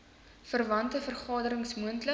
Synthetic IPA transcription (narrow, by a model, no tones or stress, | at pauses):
fərvɐntəfərχɑːdəɾəŋsmuəntlə